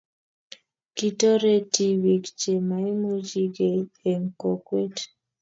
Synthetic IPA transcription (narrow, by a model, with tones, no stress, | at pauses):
ki˦to˦ɾe˦ti˦wi˨kt͡ʃe˨ma˨i˦mu˦d͡ʒi˦ɡe˨e˨ŋko˨kwe˦t